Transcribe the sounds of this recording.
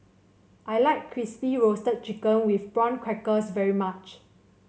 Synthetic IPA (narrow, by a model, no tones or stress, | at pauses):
ʔajlaɪkʰːɹispiɹostət̚t͡ʃikə̃nwifbɹɔ̃nkʰɹɛkəsvɛɹimat͡ʃ